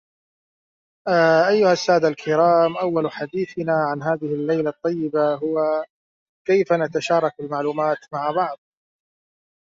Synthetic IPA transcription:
ʔaʔajːʊhasːaːd̪alkʰɪɾɑːmʔawːalħad̪iːθɪnaʕanɦaːðɪhɪlːajlat̪ˤːɑjːɪbaɦʊwa | kajfanat̪aʃɑːɾˤɑk̚bɪlmaʕluːmaːt̪maʕabɑʕðˤ

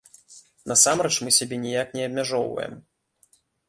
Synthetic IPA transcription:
nɐsamɾɛt͡ʂmɨsʲabʲɛnʲijaknʲɛɐbʲmʲaʐɔwvɐ̰jɛ̰m

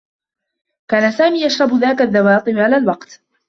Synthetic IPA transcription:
kaːnasaːmiːjaʃɾˤɑbðaːkaðːawɑːt̪ˤɨmʕalaːlwɑqt̪

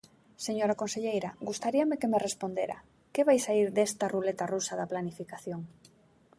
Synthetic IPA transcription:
seɲoɾakonseʎejɾaɡust̪aɾiamekemerespond̪eɾa̰ | keβajsaiɾðest̪ɐrulet̪arusaðaplanifikaθjoŋ

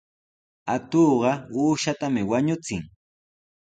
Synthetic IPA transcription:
at̪oːɢɑuːʃat̪amɪwaɲʊt͡sɪŋ

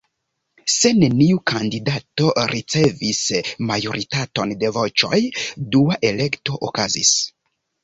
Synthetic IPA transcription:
se̞ne̞niukʰandidato̞ɾʔit͡se̞vismajo̞ɾitato̞nde̞vo̞t͡ʃo̞̰jduaʔe̞le̞kto̞ʔokazḭs

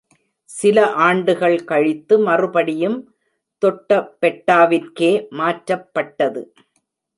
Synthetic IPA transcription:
sɪlɐʔaːɳɖɯɣɐɭkɐɻɪt̪ːɯmɐrɯpɐɽɪjɯm | t̪ɔʈːɐpːɛʈːaːʋɪɾkeːmaːʈɾɐpːɐʈːɐðɯ

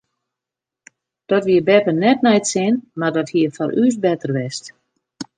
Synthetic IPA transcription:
d̥ɔtʋiəbɛpənɛt̚nɛjtsɪnmardɔthiəfɔɾʔyːs̬bɛtərʋɛst

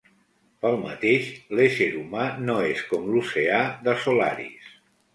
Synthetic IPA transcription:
pəlˠmə̰t̪eʃleʃeɾumanoeskɔmluseaðəsula̰ɾḭs

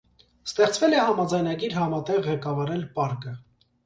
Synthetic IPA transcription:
st̪ɛχt͡svɛlɛhɑmɑd͡zɑjnɑɡiɾhɑmɑt̪ɛʁːɛkɑvɑɾɛlpɑɾkə

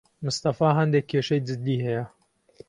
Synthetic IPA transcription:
mʊst̪ɐfaːɦɐnd̪ɛkʰːeːʃɐjd͡ʒɪd̪ːiːhɛjɛ

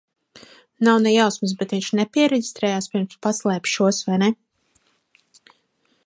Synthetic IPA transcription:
nawnɛjawsmɨsbɛt̪viɲʃnɛpʲiɛɾeɟist̪ɾɛːjaːspiɾmspaslˠɛːpʃuɔsvajnɛ

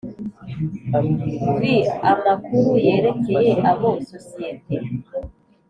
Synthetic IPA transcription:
wiamakuɾuje̞ːɾe̞ke̞jeʔaβososietʰe

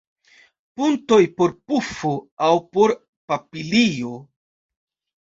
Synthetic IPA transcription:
punto̞jpo̞ɾpufoawpo̞ɾ | papilio̞

